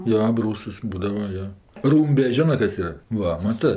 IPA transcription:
ˈjoː ɐˈbruːsɐs ˈbuːdɐʋɐ ˈjoː ˈruːmʲbʲɛ ˈʒʲoːnɜ ˈkɐs ˈiːrɐ ˈʋɐ mɐˈtɜ

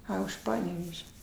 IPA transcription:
ˈɐ ʊʃ ˈpɑːnʲɛʋʲɛʒʲɛ

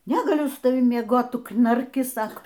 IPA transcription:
nʲɛɡɐˈlʲʊ sʊ tɐˈʋʲɪm mʲiɛˈɡoːt ˈtʊ knɐrʲˈkʲɪ ˈsɑːkoː

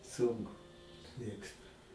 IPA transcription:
ˈsʊŋkʊ ˈmʲeːkstʊ

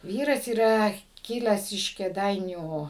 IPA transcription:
ˈʋʲiːrɐs iːˈrɐ kʲɪˈlʲæːs ɪʃ kʲeːˈdɐɪnʲuː

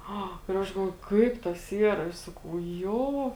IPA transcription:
ˈɐ ɪr ˈɐʃ ɡɐlˠˈʋoːjʊ ˈkɐɪp tɐs ˈiːrɐ ɪr ˈsɑːkɐʊ ˈjoː

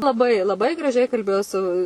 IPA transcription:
lˠɐˈbɐɪ lˠɐˈbɐɪ ɡrɐˈʒʲɛɪ kɐlʲˈbʲeːjoː sʊ

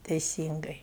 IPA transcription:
tʲɛɪˈsʲiːŋɡɐɪ

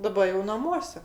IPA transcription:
dɐˈbɐ jɛʊ nɐˈmuɔsʲɛ

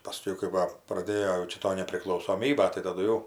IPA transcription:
pɐˈsʲkʲɛʊ kɐɪ ˈʋɐ prɐˈdʲeːjoː jɛʊ ˈt͡ʃʲɛ ˈtoː nʲɛpʲrʲɪklˠɐʊsoːˈmʲiːbɐ tɐɪ tɐˈdʊ jɛʊ

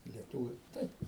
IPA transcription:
ɪ lʲiɛˈtuːʋʲʊ ˈtɐɪp

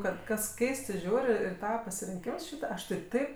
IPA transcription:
ˈkɐt ˈkɐs ˈkʲɛɪstɜ ˈʒʲuːrʲ ɪr ɪ ˈtɑːʋɐ pɐsʲɪrʲɪŋʲˈkʲɪms ˈʃʲiːtɐ ˈɐʃ tɐɪ ˈtɐɪp

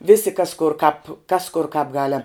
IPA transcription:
ˈʋʲɪsʲɪ kɐs kʊr kɑːp kɐs kʊr kɑːp ˈɡɑːlʲɛm

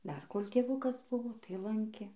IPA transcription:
dɐr koːlʲ tʲeːˈʋʊkɐs ˈbʊʋoː tɐɪ ˈlˠɐŋʲkʲeː

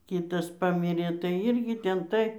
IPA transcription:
ˈkʲiːtɐs ˈpɑːmʲɪrʲeː tɐɪ ˈɪrʲɡʲɪ ˈtʲɛn tɐɪ

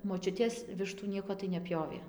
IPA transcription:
moːˈt͡ʃʲʊtʲeːs ˈʋʲɪʃtuː ˈnʲiɛkoː tɐɪ nʲɛˈpʲjoːʋʲeː

